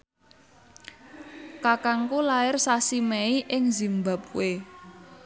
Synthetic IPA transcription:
kakaŋkulaɪrsasimɛiʔɪŋzi̤mba̤p̚we

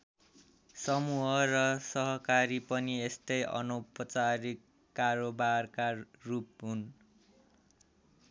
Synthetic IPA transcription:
sʌmuɦʌrʌsʌɦʌkaɾipʌniest̪ʌjʌ̰nopʌt͡saɾikː | aɾobarkarup̚ɦun

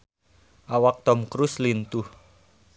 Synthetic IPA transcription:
ʔawak̚t̪ɔmkɾuslint̪uh

